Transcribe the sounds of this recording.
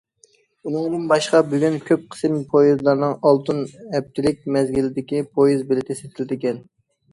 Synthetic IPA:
unɨŋd̪ɨnbɑʃqɑbøɡʲɛnkʲʰøp̚qʰə̥sɨmpʰojizlˠɑɾnɨŋɑlˠt̪ʰɨnɛp̚t̪ʰɪlɪk̚ʲmɛzɡʲilɪd̪ɪkʲipʰojizbɪlɪt̪ʰɪset̪ʰɪld̪ɪkʲɛn

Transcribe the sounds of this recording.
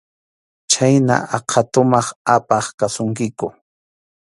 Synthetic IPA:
t͡ʃajna̰ʔɑqʰɑt̪ʊmɑχapɑχkasʊŋkɪkʊ

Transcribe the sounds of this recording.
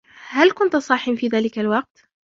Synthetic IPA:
halkʊnt̪sˤɑħɪmfiːðaːlɪkalwɑq̚t̪

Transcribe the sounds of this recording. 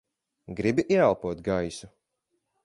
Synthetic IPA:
ɡɾibiʔiɛalˠpuɔt̪ɡajsu

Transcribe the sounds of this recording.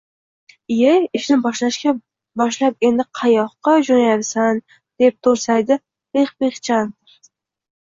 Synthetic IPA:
jejɪʃnɪbɒʃlaʃkʲa | bɒʃlap̚e̞nd̪ɪqʰɑjɒχqːɑd͡ʒonajapsan | d̪̥e̞p̚t̪ʰoɾsajd̪ɪ | beχbeχt͡ʃʰand̪ɾ

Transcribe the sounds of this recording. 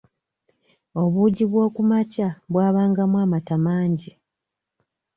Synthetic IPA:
o̞βuɟiβwo̞ːkumacaβwaːβaːŋɡamwaːmatamaːɲɟi

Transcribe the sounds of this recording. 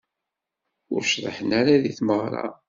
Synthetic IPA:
ʊ̰ɾʃðˤə̰ħənaɾaðiθməʁɾˤɑ̰

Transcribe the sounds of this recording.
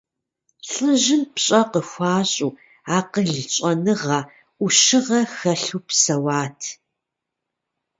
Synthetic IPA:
ɬʼɨʒɪmpɕʼɐqəxʷaːɕʼuː | aːqəɮt͡ʃʼɐnɨʁɐ | ʔuʃɪʁɐxɐɬuːpsɐwaːtʰ

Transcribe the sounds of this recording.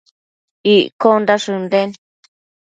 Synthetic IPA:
iʔkond̪aʂɨnd̪en

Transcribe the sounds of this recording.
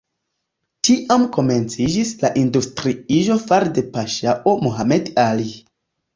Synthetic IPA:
tiʔamko̞me̞nt͡sid͡ʒislaʔindustɾiiʒo̞faɾde̞paʃaʔomoɦamedali

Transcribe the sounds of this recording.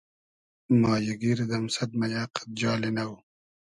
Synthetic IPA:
mɑːjaɡiːɾd̪ɐmsɐd̪̚majaːqḁb̪̚d͡ʒɑːlenaw

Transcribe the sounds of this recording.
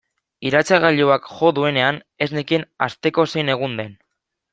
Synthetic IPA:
iɾat͡saɣ̞aʎuakʝo̞ðue̞ne̞an | e̞znekinast̪e̞ko̞se̞jne̞ɣ̞und̪e̞n

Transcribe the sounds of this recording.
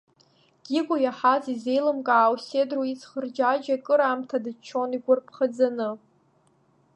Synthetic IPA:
ɡ̥ʲiɡʷʼʊjaħazize̞jlɨmkʼaːwsedroit͡sʰχərd͡ʒad͡ʒakʼɨɾamtʰadɨt͡ʃʰːo̞niɡʷʊrpʰχad͡zanɨ

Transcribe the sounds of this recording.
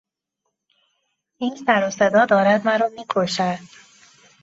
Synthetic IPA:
iːnsæɾosed̪ɒːd̪ɒːɾæd̪mæɾɒːmiːkʰoʃæd̪̥

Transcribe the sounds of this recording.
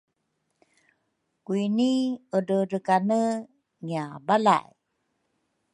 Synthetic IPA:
kuiniədəɾəkanə | ŋiabala̰j

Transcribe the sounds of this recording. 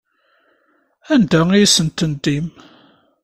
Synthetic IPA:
ænd̪æijsənt̪ənd̪im

